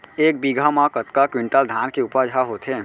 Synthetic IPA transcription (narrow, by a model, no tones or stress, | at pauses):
eːk̚biɡʱamãkət̪kakwɪ̃ɳʈəld̪ʱaːnkeupəd͡ʒʱaɦoːt̪ɦẽː